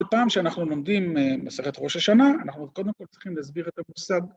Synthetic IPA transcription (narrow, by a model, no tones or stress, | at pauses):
paːmʃeanaχnulo̞md̪immase̞χet̪ʁo̞ʃaʃanaanaχnuko̞d̪emko̞lt͡sʁiχimlehazbiʁet̪amusaɡ